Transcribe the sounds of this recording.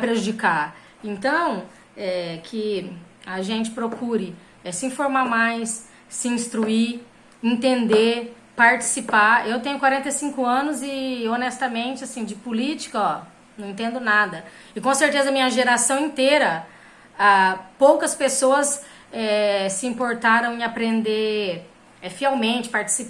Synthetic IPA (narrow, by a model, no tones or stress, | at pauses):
pɾeʒud͡ʒika | ẽnt̪ɐ̃w̃ | ɛkʰɪ | aʒẽnt͡ʃɪ̥pɾokuɾɪ | ɛsɪĩfoɾmamajsː | ɪĩst̪ɾui | ẽnt̪ẽnd̪e | paɾt͡ʃi̥sipaewt̪ẽɲʊkwaɾẽnt̪ejsĩkʊɐ̃nʊzɪonɛst̪ɐmẽnt͡ʃɪasĩd͡ʒɪpulit͡ʃi̥kɐɔ | nɐ̃w̃ẽnt̪ẽnd̪ʊnad̪ɐ | ɪkõseɾt̪ezɐɐmĩɲɐʒeɾasɐ̃w̃ẽnt̪eɾɐ | apowkɐspesoɐs | ɛsɪĩpoɾt̪aɾɐ̃w̃ɪ̃apɾẽnd̪e | ɛfiɛwmẽnt͡ʃɪ̥paɾt͡ʃi̥sip